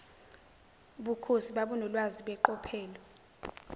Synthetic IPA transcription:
ɓukʰosiɓaɓunɔlwaziɓɛǃɔpʰɛːlɔ

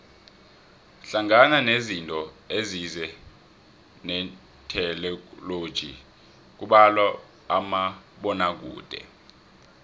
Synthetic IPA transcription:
ɬaŋananezintʼɔ | ezizɛ | nɛ | tʰɛlɔlo̥ʒ̥ʱḭ | k̬uɓala | amaɓɔnak̬ṵːd̥ʱɛ̰

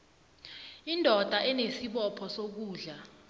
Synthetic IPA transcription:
indʱɔd̥ʱaʔɛnesiɓɔpʰɔsok̬uːɮa

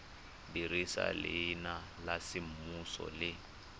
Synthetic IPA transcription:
birisa̰lɪnalasim̩musɔ̰lɪ

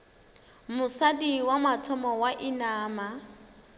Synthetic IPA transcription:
mʊsadiwamatʰɔmɔwaʔinaːma

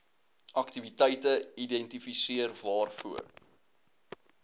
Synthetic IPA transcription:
ʔɐktivitəjtəidɛntifisiərvɑːrfuə̰r

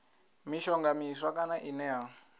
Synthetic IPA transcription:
miʃɔŋɡamiswakanaʔinɛɦa

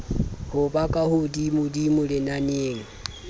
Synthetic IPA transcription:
hʊbakʼahʊdimʊdimʊlɪnaneːŋ̩

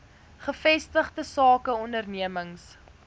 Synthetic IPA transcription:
χəfɛstəχdəsɑːkəɔndərniəməŋs

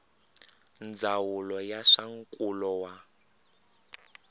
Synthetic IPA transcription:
nd͡zawulɔjaʂaŋ̩kʼulɔwa

